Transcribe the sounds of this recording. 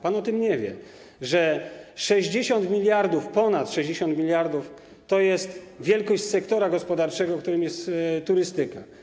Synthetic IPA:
panɔt̪ɘmɲɛvʲjɛ̰ | ʐɛʂɛʑd͡ʑeɕɔnt̪mʲilʲjaɾd̪ufpɔnat̪ʂɛʑd͡ʑeɕɔ̃nt̪mʲilʲjaɾd̪uf | t̪ɔjɛst̪ | vʲjɛlkɔɕt͡ɕsɛkt̪ɔɾaɡɔspɔd̪aɾt͡ʂɛɡɔkt̪uɾɘmjɛst̪ːuɾɘst̪ɘka̰

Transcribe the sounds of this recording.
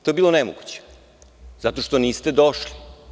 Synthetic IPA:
t̪o̞ebiːlˠonemo̰ɡut͡ɕe̥ | zat̪o̞ʃt̪o̞niːst̪ed̪oʃli

